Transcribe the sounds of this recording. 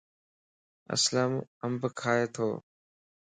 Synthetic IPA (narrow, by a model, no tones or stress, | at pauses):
ə̰sləməmbʱkʰaːeːt̪ʰoː